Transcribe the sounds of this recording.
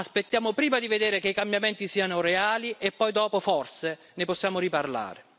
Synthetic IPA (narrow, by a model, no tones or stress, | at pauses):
aspet̪ːjaːmʊpɾiːmad̪ived̪eːɾɪkeikambjamɛnt̪isiːanʊreaːliʔepːɔjd̪ɔːpofɔrse | nɪpɔsːjaːmʊɾiparla̰ːɾe